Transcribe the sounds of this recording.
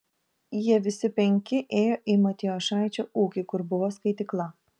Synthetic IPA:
jiɛʋʲɪsʲɪpʲɛŋʲkʲɪʔeːjoːʔimɐt̪ʲɪɔʃɑˑɪt͡ʃʲoːuːkʲɪkʊɾbʊʋoːskɐɪt̪ʲɪklˠɐ

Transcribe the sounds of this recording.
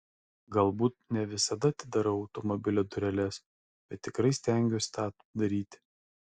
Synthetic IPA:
ɡɐlˠbuːt̪̚nʲɛʋʲɪsɐd̪ɐt̪ʲɪd̪ɐɾɐɐʊt̪ɔmɔbʲɪlʲod̪ʊɾʲɛlʲɛs | b̥ʲɛt̪ʲːɪkɾɐɪsʲt̪ʲɛŋʲɡʲoːsʲt̪ɑː | d̪ɐɾʲiːt̪ʲ

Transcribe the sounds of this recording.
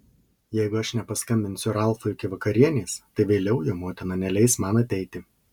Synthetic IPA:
jɛɪɡʊɐʃnʲɛpɐskɐmʲbʲɪnʲsʲʊɾɑˑlˠfoɪkʲɪʋɐkɐɾʲiɛnʲeːst̪ɐɪʋʲeːlʲɛʊjoːmoːt̪ʲɪnɐnʲɛlʲɛɪsmɑnɐt̪ʲɛɪt̪ʲɪ

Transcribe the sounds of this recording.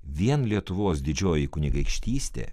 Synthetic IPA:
ʋʲiɛnlʲiɛt̪ʊʋoːsd̪ʲɪd͡ʒʲoːjɪkʊnʲɪɡɐɪkʃʲt̪ʲiːsʲt̪ʲḛː

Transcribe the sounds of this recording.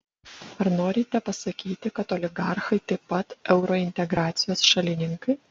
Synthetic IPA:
ɐɾnoːɾʲɪt̪ʲɛpɐsɐkʲiːt̪ʲɪkɐt̪ɔlʲɪɡɑˑɾxɐɪt̪ɐɪpːɐt̪ɛʊɾoɪnʲt̪ʲɛɡɾɑːt̪sʲɪjoːsʃɐlʲɪnʲɪŋkɐɪ

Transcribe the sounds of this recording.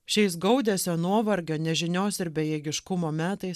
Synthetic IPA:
ʃʲɛɪs̬ɡɐʊd̪ʲeːsʲoːnuɔʋɐɾʲɡʲoːnʲɛʒʲɪnʲoːsɪɾbʲɛjɛɡʲɪʃkʊmoːmʲæːt̪ɐɪs

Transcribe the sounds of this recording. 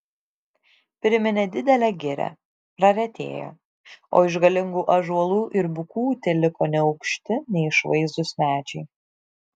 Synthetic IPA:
pʲɾʲɪmʲɪnʲɛd̪ʲɪd̪ʲɛlʲɛɡʲɪɾʲɛ̰ | pɾɐɾʲɛt̪ʲḛːjo̰ː | o̰ːɪʒɡɐlʲɪŋɡuːʔɐʒuɔlˠuːʔɪɾbʊkuːt̪ʲelʲɪkoːnʲɛɒʊkʃʲt̪ʲɪnʲɛɪɪʃʋɐɪzd̪ʊsʲmʲæːt͡ʃʲɛɪ

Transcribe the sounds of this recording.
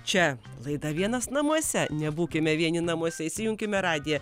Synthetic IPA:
t͡ʃʲɛ | lˠɐɪd̪ɐʋʲiɛnɐsnɐmuɔsʲɛnʲɛbuːkʲɪmʲɛʋʲiɛnʲɪnɐmuɔsʲɛisʲɪjʊŋʲkʲɪmʲɛɾɑːd̪ʲɪjɛ

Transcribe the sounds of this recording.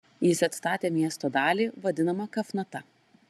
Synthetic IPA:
jɪsɐt̪st̪ɑːt̪ʲeːmʲiɛst̪oːd̪ɑːlʲiːʋɐd̪ʲɪnɐmɐkɐfnɐt̪ɐ

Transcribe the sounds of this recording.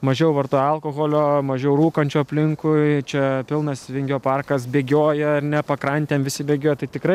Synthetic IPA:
mɐʒʲɛʊʋɐrt̪oːjɐlˠkoɣoːlʲoːmɐʒʲɛʊɾuːkɐnʲt͡ʃʲuːɐpʲlʲɪŋkʊɪt͡ʃʲɛpʲɪlˠnɐsʋʲɪŋʲɡʲoːpɐrkɐsbʲeːɡʲoːjɛɐrnʲɛpɐkɾɐnʲt̪ʲeːmʋʲɪsʲɪbʲeːɡʲoːjɛt̪ɐɪt̪ʲɪkɾɐɪ

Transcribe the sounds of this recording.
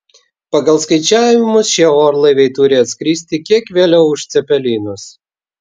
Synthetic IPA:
pɐɡɐlˠskɐɪt͡ʃʲæːʋʲɪmʊsʃʲiɛoːɾlˠɐɪʋʲɛɪt̪ʊɾʲɪɐt̪ʲsʲkɾʲiːsʲt̪ʲɪkʲiɛkʋʲeːlʲɛʊʊʃʲt̪sʲɛpʲɛlʲiːnʊs

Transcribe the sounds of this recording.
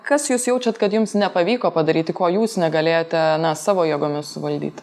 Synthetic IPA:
kɐsjuːsjɛʊt͡ʃʲɛt̪kɐt̪jʊmsnʲɛpɐʋʲiːkoːpɐd̪ɐɾʲiːt̪ʲɪkoːjuːsnʲɛɡɐlʲeːjoːt̪ʲɛnɐsɑːʋoːjɛːɡoːmʲɪssʊʋɐlʲd̪ʲḭːt̪ʲ

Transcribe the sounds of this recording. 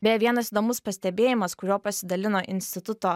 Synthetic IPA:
bʲɛʋʲiɛnɐsiːd̪oːmʊspɐsʲt̪ʲɛbʲeːjɪmɐskʊɾʲoːpɐsʲɪd̪ɐlʲɪnoːʔɪnʲsʲt̪ʲɪt̪ʊt̪oː

